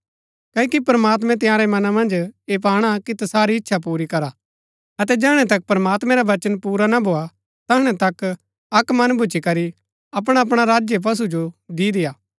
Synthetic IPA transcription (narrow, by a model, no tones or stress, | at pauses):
kɐːkipɾəmaːt̪mɛ̃t̪̬ɪjãːɾɛmɐnamɐ̃nd͡ʒeːp̬aːɽ̃akit̪ɐsaːɾiɪtːʃʰap̬uːɾikɐɾa | ɐt̪̬ɛd͡ʒɛːɽ̃ɛ̃t̪ɐk̚pɾɐmaːt̪mɛ̃ɾaʋɐt͡ʃənpuːɾanabʱoːa | t̪ɐɦɽ̃ɛt̪ɐk | ɐkmɐ̃nbʱʊt͡ʃikɐɾi | ɐp̬ɽ̃aɐp̬ɽ̃aɾaːd͡ʒjep̬ɐs̬ud͡ʒod̪iːd̪ɪjaː